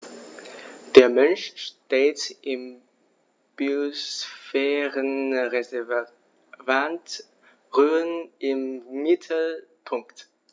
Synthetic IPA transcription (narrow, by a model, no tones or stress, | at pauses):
d̥eːɐmœnʃʃteːtʔɪm | b̥iosfɛːʁənʁɛ | vant | ʁyːənʔɪmːɪtʰl̩pʰʊŋkt